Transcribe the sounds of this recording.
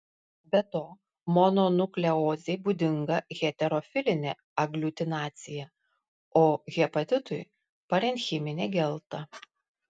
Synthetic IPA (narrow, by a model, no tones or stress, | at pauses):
bʲɛt̪oː | mɔnonʊklʲɛoːzʲɛɪbuːd̪ʲɪŋɡɐɣʲɛt̪ʲɛɾɔfʲɪlʲɪnʲɛ̰ | ɐɡlʲut̪ʲɪnɑːt̪sʲɪjɛ | oːɣʲɛpɐt̪ʲɪt̪ʊj | pɐɾʲɛnʲxʲɪmʲɪnʲeɡʲɛlˠt̪ɐ